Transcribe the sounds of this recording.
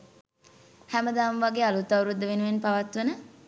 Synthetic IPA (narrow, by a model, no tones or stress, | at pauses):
hæməd̪aːmʋaɡeːalut̪ːawɾud̪ːəʋenuʋenpaʋat̪ʋənə